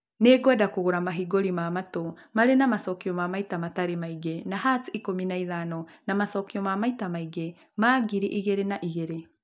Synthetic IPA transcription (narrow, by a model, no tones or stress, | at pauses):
neːɡwadakoɣoɾamaɦiɡoɾimamatomaɾenamasɔkiɔmamaitamataɾemaiɡenaɦatiikominaiðanɔnamasɔkiɔmamaitamaiɡe | maɡiɾiʔiɣeɾenaʔiɣeɾe